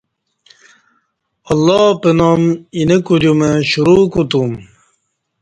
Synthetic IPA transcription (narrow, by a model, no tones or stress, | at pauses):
ɐlːɔpenominekuɾjumeɕuɾuːkut̪um